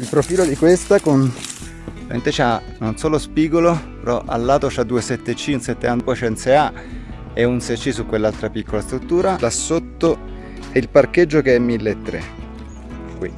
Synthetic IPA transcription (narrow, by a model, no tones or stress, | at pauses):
ilpɾofiːlod̪ikwest̪akon | mḛnt̪et͡ʃanonsoːlospiːɡolopeɾɔʔa̰lːaːt̪ot͡ʃad̪uesɛt̪ːet͡ʃːiunsɛt̪ːeanpɔt͡ʃɛnt̪sea | eunsɛjt͡ʃːisukːwelːalt̪ɾapikːolast̪ɾut̪ːuːɾalasːot̪ːo | ɛilparked͡ʒːokeɛmːilːeːt̪ːɾḛ | kwḭ